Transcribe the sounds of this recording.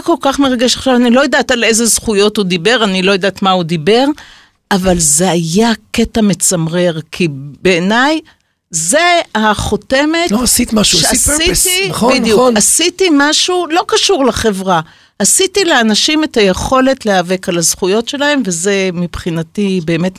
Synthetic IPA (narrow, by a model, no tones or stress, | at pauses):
ko̞lkaχme̞ʁaɡe̞ʃaχʃavanilo̞jadatale̞ze̞zχujo̞tud̪ibe̞ʁanilo̞jadatmaud̪ibe̞ʁ | avalze̞ajake̞tame̞t͡samʁe̞ʁkʰibeːnaj | ze̞aχote̞metosit̪imaʃuʃasitibidjukasitimaʃulo̞kaʃuʁlaχe̞vʁa | asitileanaʃime̞tajeχo̞le̞tleave̞kalazχujo̞tʃe̞lae̞mve̞ze̞mipχinatibe̞ːme̞t